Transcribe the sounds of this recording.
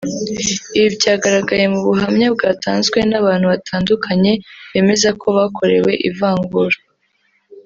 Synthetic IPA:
iβibɟaːɡaɾaɡaje̞muβuɦamɲab̚ɡaːtʰaːnzɡwe̞naβaːn̥huβatʰaːndukʰaɲe̞βe̞ːme̞zakʰo̞βakʰo̞ɾe̞̰we̞̰ʔḭvaːŋɡuɾa

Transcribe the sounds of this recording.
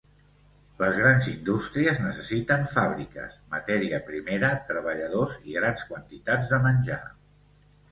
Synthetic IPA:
ləzɣɾanzind̪ust̪ɾiəznəsəsit̪əɱfaβɾikə̰smə̰t̪ɛɾiəpɾimeɾət̪ɾəβəʎəðoziɣɾanskwənt̪it̪ad͡zðəmənʲʒa̰

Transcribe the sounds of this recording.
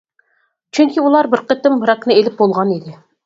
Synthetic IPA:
t͡ʃʰyŋkʲiulˠɑɾbɪɾqət̪ɪmɾɑknɨelɪp̚bolˠʁɑned̪ɪ

